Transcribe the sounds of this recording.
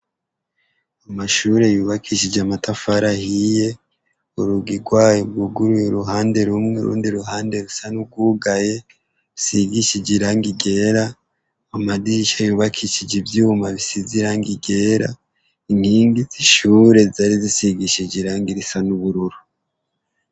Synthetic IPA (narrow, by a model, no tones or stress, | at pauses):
amaʃuːɾe̞juːβakʰiʃid͡ʒamatafaɾahije̞ | uɾuɡiɾɡwaːjuɡuɡuɾujuɾuɦaːnde̞ɾumŋeɾṵːndiɾuhaːnde̞ɾusanuɡuɡaje̞ | usiɡiʃid͡ʒiɾaŋɡiɡe̞ɾa | amadiʃajuːβakʰiʃid͡ʒivjumaβisiziɾaŋɡiɡe̞ːɾa̰ | inhiːŋɡiziʃuːɾe̞zaɾizisiɡiʃid͡ʒiɾaŋɡiɾisanuβuɾuɾu